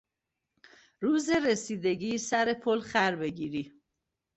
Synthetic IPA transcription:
ɾuːzeɾesiːd̪e̞ɡiːsæɾe̞pʰolxæɾbe̞ɟiːɾi

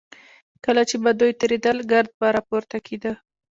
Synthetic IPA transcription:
kəlat͡ʃebad̪ujt̪əɾed̪əlɡaɾd̪̚baɾɑpoɾt̪akʰed̪a

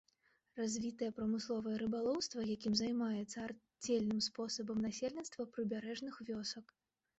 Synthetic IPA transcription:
razʲvʲit̪ɐjɛpɾɐmɨslˠɔvɐjɛɾɨbalˠɔwst̪vɐjakʲimzajmajɛt̪sːɐar | d͡zʲelʲnɨmspɔsɐbɐmnasʲelʲnʲit̪st̪vɐpɾɨbʲaɾɛʐnɨxvʲɔsɐk

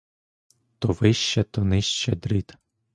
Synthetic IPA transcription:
t̪ɔʋɪʃt͡ʃɐt̪ɔnɪʃt͡ʃɛd̪ɾit̪

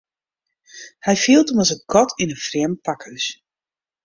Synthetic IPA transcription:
hɛjfiːlˠtɔməsət̚ɡʰɔtʰinəfrɛəmpakəs

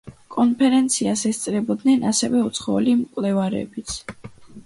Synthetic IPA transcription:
kʼɔnpʰɛɾɛnt̪sʰiasɛst̪sʼɾɛbɔd̪nɛnasɛvɛut̪sʰχɔɔlimkʼwlɛvaɾɛ̰bit̪sʰ

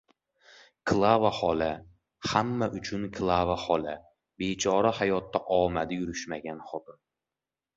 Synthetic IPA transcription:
kʰlˠavahɒla | hamːaʔʊt͡ʃʰʊnkʰlˠavahɒla | bet͡ʃʰɒɾahajɒt̪ʰːaʔɒmad̪ɪjʊɾʊʃmaɡʲanχɒt̪ɪm

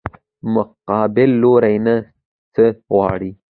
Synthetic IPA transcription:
mʊqɑːbɪlːoɾajna | t͡səɣwɑ̰ɽi

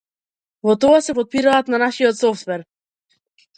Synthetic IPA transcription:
vɔt̪ɔasɛpɔt̪̚piɾaːt̪nanaʃiɔt̪sɔft̪vɛɾ

